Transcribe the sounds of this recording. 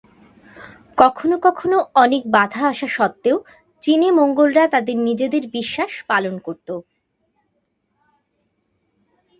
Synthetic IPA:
kɔkʰonokɔkʰonoɔnek̚bad̪ʱaaʃaʃɔt̪ːeo | t͡ɕinemoŋɡolɾat̪ad̪eɾnid͡ʑed̪eɾbiʃːaʃpalonkoɾt̪o

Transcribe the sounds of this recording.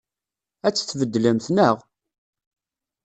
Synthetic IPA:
æt͡sːθvəd̪ːləmθnəʁ

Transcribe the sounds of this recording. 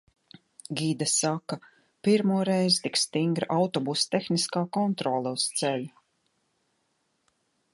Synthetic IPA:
ɡʲid̪asaka | piɾmuɔɾejzt̪ikst̪iŋɡɾaʔawt̪ɔbust̪exniskaːkɔnt̪ɾɔlˠɛust̪sɛlʲu

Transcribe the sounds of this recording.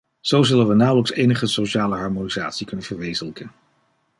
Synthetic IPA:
z̥owzɵlənʋənawləksejnəχəsoʃaːləɦɑɹmoniza̰ːtsikɵnənvəɹʋejzələkən

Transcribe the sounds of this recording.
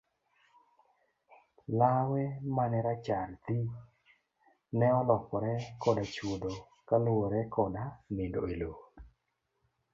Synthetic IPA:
lawɛmanɛɾat͡ʃaɾt̪i | nɛɔlɔkɔɾɛkɔdat͡ʃud̪o | kalwoɾɛkɔdanɪdoelo

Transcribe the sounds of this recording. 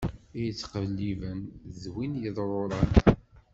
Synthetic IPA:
ijət͡sːqəvlːivənzwinjəðˤɾˤoɾˤɑn

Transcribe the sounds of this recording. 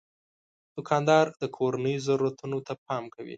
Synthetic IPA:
d̪̥ʊkʰɑnd̪ɑɾd̪əkʰoɾanəjozaɾuɾat̪unot̪ap̚ɑmkawḭ

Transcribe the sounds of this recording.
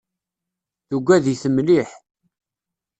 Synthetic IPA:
θuɡʷːæðiθəmliħ

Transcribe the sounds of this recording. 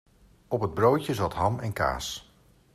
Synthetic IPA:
ɔpɦəd̚browtəzɑtɦɑmɛnka̰ːs

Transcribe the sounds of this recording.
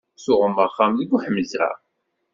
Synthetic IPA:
sʊʁəməχːamðəɡʷuħəməzɾa̰

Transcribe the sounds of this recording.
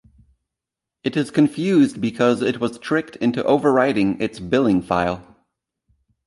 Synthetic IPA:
ɨɾɨz̥kʰɨ̃ɱfjʉzbɨkʰʌzɨt̚wʌz̥tʰɹ̥ɪk̚tʰɪ̃ntuʔoʊvə˞ɹaɪɾɪ̃ŋɪtsbɪlˠɪ̃ŋfa̰ɪlˠ

